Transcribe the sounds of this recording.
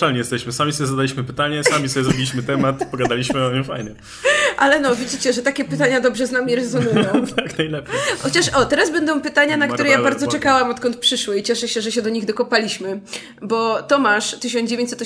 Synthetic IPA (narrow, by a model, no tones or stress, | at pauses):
alɲɛjɛst̪ɛɕmɘsamʲisɔbʲjzad̪alʲiɕmɘpɘt̪aɲɛsamʲisɔbʲjɛzɾɔbʲilʲiɕmɘt̪ɛmat̪pɔɡad̪alʲiɕmɘɲɛfajɲɛ | ʔalɛnɔvʲjid͡ʑit͡ɕɛʐɛt̪akʲɛpɘt̪aɲad̪ɔbʐɛznamʲiɾɛzɔnujjɔ̃wt̪aknajlɛpʲjjxɔt͡ɕaʂɔt̪ɛɾasbɛnd̪ɔ̃w̃pɘt̪aɲanakt̪uɾɛjabaɾd̪zɔt͡ʂɛkawamɔt̪kɔnt̪̚pʂɘʂwɘit͡ɕɛʂɛɕɛʐɛɕɛd̪ɔɲiɣd̪ɔkɔpalʲiɕmɘ | bɔt̪ɔmaʂt̪ɘɕ̬ɔnd͡ʑevʲjeɲt͡ɕsɛt̪ɔ